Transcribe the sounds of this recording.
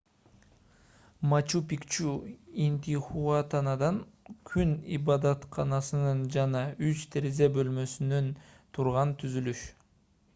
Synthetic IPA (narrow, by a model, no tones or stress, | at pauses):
mɑt͡ʃupikt͡ʃuinʲt̪ʲiχuat̪ɑnɑd̪ɑnkʰynḭbɑd̪ɑt̪qʰɑnɑsɯnɯnd͡ʒɑnɑyt͡ʃt̪ʰeɾezebø̞lmø̞synønt̪ʰuɾʁɑnt̪ʰyzylyʃ